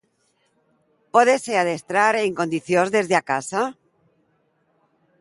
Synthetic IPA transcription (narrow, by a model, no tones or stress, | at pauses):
poðeseaðest̪ɾaɾeŋko̞nd̪iθjozðe̞zðeakasa